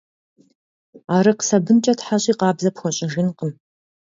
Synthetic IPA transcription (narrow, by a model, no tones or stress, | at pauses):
aːɾɨqsɐbɨnt͡ʃʼɐtħaɕʼiːqɑːbzɐpxʷɔɕʼɪʒɪnqəm